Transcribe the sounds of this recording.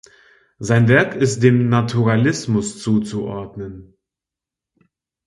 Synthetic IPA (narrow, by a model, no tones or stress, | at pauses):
zaɪnvɛɐkʰɪst̚d̥eːmnatʰuʁalɪsmʊst͡suːt͡suʔɔɐdnən